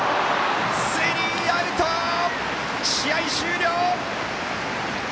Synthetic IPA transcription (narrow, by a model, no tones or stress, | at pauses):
seɾʲi | aɾɯ̟t̪o | ɕijaiɕɨːɾʲjoː